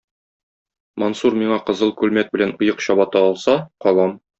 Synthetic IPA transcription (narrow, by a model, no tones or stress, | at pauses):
monsuɾmiɴɑqɤ̆zɤlˠkʉlmæt̪̚bɘ̆lænŏjɤqɕɒbɑt̪ɑɒlˠsɑqɒlˠɑm